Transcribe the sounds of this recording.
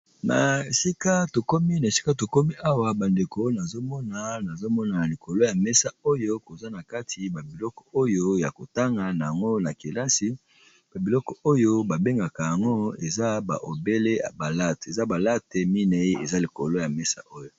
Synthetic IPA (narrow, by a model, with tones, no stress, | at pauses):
na̰˨e˨si˦ka˦to˨ko˦mi˦na˨e˨si̥˦ka˦to˨ko˦mi˦ʔa˦wa˨ba˨nde˨ko˦na˨zo˦mɔ˦na˨na˨zo˦mɔ˦na˨li˨kʰo˨lo˦ja˨mɛ˦sa˦o˦jo˦ko˨za˦na˨ka˦tʰi˨ba˨bi˨lɔ˦kɔ̥˨o˦jo˦ja̰˨ko˨ta˦ŋɡa˨na˨ja˨ŋɡo˦na˨ke˨la˦si˨ | b̥a˨bi˨lɔ˦kɔ˨o˦jo˦ba˨be˦ŋɡa˨ka˨ja˨ŋɡo˦e˨za˦ba̰˨ʔo˨be˦le˦ja̰˨ba˨la˦te˨za˦ba˨la˦te˨mi˦ne˨e˦ḛ˨za˦li˨ko̰˨lo˦ja˨mɛ˦sa̰˦ʔo˦jo˨